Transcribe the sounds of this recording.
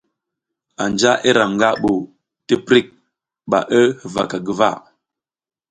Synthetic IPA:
a˨nd͡ʒa˦ʔe˦ɾa˨ŋ˨ɡa˦ʔɓo˨ | tə˦pɾi˦˨k̚ | ɓa̰˨ʔə˦˨va̰˨ka˨ɡə˨va̰˦˨

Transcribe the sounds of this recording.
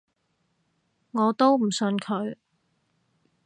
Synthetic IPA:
ŋɔː˨˧t̪o˥wm̩˨˩sɵ˧nkʰɵ˨˧ɥ

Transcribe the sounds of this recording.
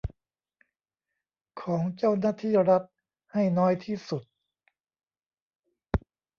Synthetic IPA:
kʰɔː˩˦ŋt͡ɕa˥˩wnaː˥˩t̪ʰiː˥˩ɾa˦˥t̪̚ | ha˥˩jnɔː˦˥jt̪ʰiː˥˩su˨˩t̪̚

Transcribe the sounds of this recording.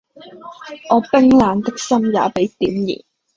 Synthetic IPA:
ʔɔː˨˧pɪ˥ŋlaː˨˧nt̪ɪ˥k̚sɐ˥mjaː˨˥pe˨˥jt̪iː˨˥mjḭː˨˩n

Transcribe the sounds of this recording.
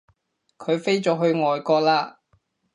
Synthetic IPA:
kʰɵ˨˧ɥfe˥jt͡ʃɔː˨˧ɦɵ˧ɥŋɔː˨jkɔː˧k̚laː˧

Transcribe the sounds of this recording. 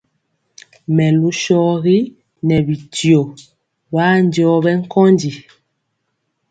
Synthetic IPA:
mɛ˨lu˦ʃɔ˦ɣi˦ | nɛ˨bi˨tjo˨ | ba˦n˦dɔ˦bɛ˦ŋ̩˦kɔ˦ndi˨

